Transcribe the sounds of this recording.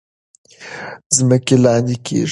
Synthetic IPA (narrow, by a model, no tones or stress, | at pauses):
zmɛkʲelaːnikḭ